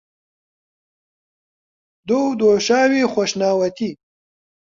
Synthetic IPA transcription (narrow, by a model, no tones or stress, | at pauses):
d̪owd̪oːʃaːwexʷoʃnaːwɐt̪i